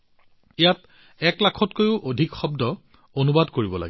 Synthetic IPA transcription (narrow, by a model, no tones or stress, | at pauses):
ijat | ɛklakʰɔtkojʊʔodʱikxɔbdɔ | onubadkoɹibɔla̰ɡɛ